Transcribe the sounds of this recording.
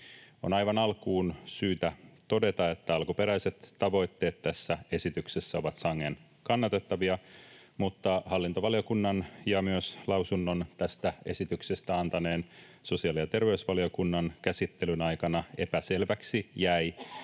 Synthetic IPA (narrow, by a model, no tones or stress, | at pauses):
o̰nɑjʋɑnɑlkuːnsyːt̪æt̪o̞de̞t̪ɑe̞t̪ːæɑlkupe̞ɾæjse̞t̪ːɑʋo̞jt̪ːe̞ːt̪t̪ːæsːæe̞sit̪ykse̞sːæo̞ʋɑt̪sɑŋːen | kɑnːɑt̪e̞t̪ːɑʋiɑ | mut̪ːɑhɑlːint̪oʋɑlio̞kunːɑnjɑmyøslɑwsunːo̞nt̪æst̪æe̞̰sit̪ykse̞st̪æɑnt̪ɑne̞ːn | so̞siɑlijɑt̪e̞rʋe̞ysʋɑlio̞kunːɑnkæsit̪ːe̞lynɑjkɑnɑe̞̰pæse̞lʋæksijæj